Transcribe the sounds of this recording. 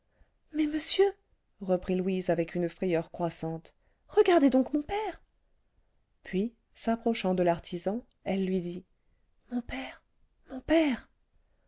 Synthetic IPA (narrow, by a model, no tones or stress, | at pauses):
mɛməsjø | ʁəpχilwizavɛkynəfχɛjœʁkχwasɑ̃t̪ | ʁəɡaʁd̪ed̪ɔ̃kmɔ̃pɛʁ | pɥi | sapχɔʃɑ̃d̪əlaʁt̪ʰizɑ̃ | ɛlːɥid̪i | mɔ̃pɛʁ | mɔ̃pɛʁ